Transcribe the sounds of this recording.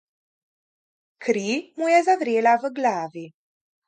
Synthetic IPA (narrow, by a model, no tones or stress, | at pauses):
kʰɾimujazavɾeːlavəɡlaːvi